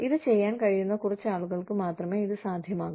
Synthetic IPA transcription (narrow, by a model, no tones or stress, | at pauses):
ɪðɯt͡ɕɛjːaːnkɐɻɪjunːɐkʊrɐt͡ɕːaːɭɯɣɐɭɯkːɯmaːt̪rɐmeːɪðɯsaːd̪ʱjɐmaːɣum